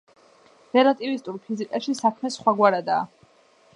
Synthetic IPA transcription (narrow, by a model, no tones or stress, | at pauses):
ɾɛlˠat̪ʼivist̪ʼuɾpʰizikʼaʃisakʰmɛsχwaɡwaɾad̪aː